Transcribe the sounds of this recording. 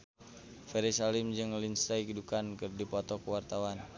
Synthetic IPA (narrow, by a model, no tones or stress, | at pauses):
fɛɾisalimd͡ʒɨŋlinst̪ajkidukankɨrdipɔt̪ɔkəwart̪awan